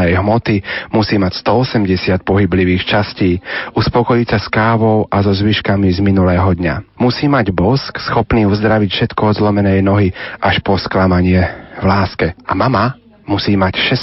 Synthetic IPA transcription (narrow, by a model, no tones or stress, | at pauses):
ɛjɦmɔt̪imusiːmacst̪ɔɔsɛmɟɛsɪat̪̚pɔɦibliʋiːxt͡ʃasciːuspɔkɔjisaskaːʋɔʊʔazɔzʋiʃkamizminulɛːɦɔd̪ɲa̰musiːmaɟbɔsksxɔpniːuzd̪ɾaʋicfʃɛt̪kɔɔzlɔmɛnɛjnɔɦiʔaʃpɔsklamaɲɪɛʋlaːskɛʔa̰mama | musiːmacʃɛs